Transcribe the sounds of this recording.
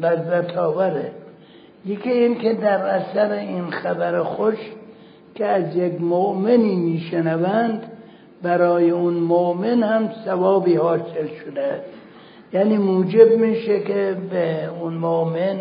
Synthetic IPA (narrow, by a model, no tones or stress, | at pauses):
læzæt̪ʰɒːvæɾe | jekʰʲiiːnkʰed̪æɾæsæɾeinxæbæɾexoʃ | kʰeæzjekmoʔmeniːmiːʃenævænd̪ | bæɾɒːjeʊnmoʔmenhæmsævɒːbiːhɒːselʃod̪eæst̪ | jæːniːmuːd͡ʒebmiːʃekebeʊnmoʔmen